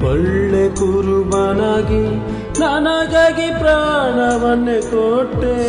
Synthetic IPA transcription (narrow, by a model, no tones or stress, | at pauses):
ɔɭːekuɾubaːnaːɡi | naːnaːɡaːɡipɾaːɳaʋɐnːekoʈːe